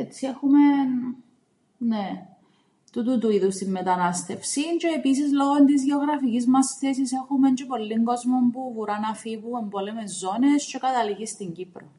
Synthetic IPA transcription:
et̪t͡sːiexumen | ne | t̪ut̪ut̪uiðust̪imːet̪ɐnɐst̪e̞fsince̞ːpis̬izlo̞ɣont̪izʝeoɣɾɐficizmɐsθesisexume̞ɲt͡ʃepo̞lːiŋɡo̞zmo̞mpuvuɾɐnɐfivue̞mbolemezːo̞nesce̞kɐt̪ɐliʝist̪iɲɟipɾo

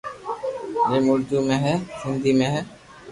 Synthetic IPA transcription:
d͡ʒeːmʊɾd̪umẽːɦɛːsɪnd̪imẽɦɛː

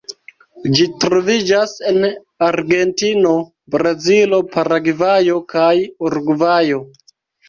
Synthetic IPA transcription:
d͡ʒitɾo̞vid͡ʒasen | aɾɡe̞ntino̞ | bɾazilo̞paɾaɡivajo̞kajuɾɡvajo̞

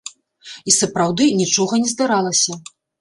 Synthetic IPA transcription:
isɐpɾawd̪ɨnʲit͡ʂɔɣɐnʲɛzd̪aɾalˠɐsʲɐ

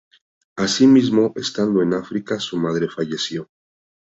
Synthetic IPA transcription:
asimizmo̞ʔe̞st̪and̪o̞e̞nafɾikasumað̞ɾe̞faʝe̞sjo̞

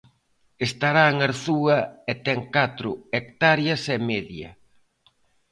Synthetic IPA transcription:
est̪aɾaŋaɾθuɐɛt̪ɛŋkat̪ɾʊekt̪aɾjɐsɛmeðjɐ̰

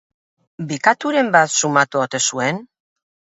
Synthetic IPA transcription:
bikat̪uɾe̞mbat̪sumat̪uot̪e̞sue̞n

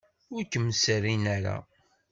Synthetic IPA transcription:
ʊɾkːəmːsərinaɾa̰

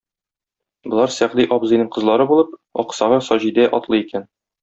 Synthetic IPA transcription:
bŏlˠɑɾsæʁd̪iʔɒbzɤ̆jnɤɴqɤ̆zlˠɑɾɤbulˠɤp̚ɒ̰qsɑʁɤsɒʑid̪æʔɒt̪lˠɤikæn

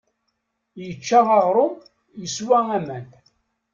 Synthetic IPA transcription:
jət͡ʃːaɑʁɾˤʊm | jəswææmæn

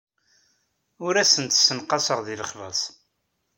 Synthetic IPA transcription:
ʊɾæsənt̪sənqɑsəʁðiləχvə̰sˤ

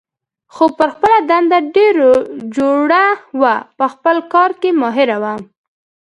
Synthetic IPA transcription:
xopəɾxpəlad̪and̪aɖeɾod͡ʒoɽawapəxpəlkɑɾkemɑɦɪɾawam

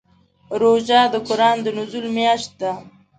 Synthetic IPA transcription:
ɾoʒɑd̪əkʊɾɑːnd̪ənʊzulmjɑʃt̪̚d̪a

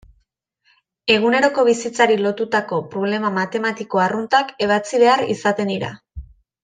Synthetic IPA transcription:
e̞ɣ̞une̞ɾo̞ko̞β̞isit͡saɾilo̞t̪ut̪ako̞pɾo̞β̞le̞mamat̪e̞mat̪iko̞arunt̪ake̞β̞at͡siβe̞aɾḭsat̪e̞nd̪iɾa̰

